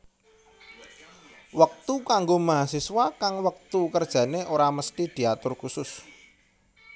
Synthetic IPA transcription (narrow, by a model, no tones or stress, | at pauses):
wək̚t̪ukaŋɡomaɦasiswakaŋwək̚t̪ukərd̥ʒ̥ä̤neʔoɾaməst̪id̪̥i̤at̪ʊrkusʊs